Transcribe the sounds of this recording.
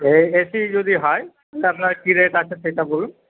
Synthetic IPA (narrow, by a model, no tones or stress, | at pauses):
eesid͡ʒod̪iɦɔj | t̪apnaɾkiɾeʈat͡ʃʰeʃejʈabolun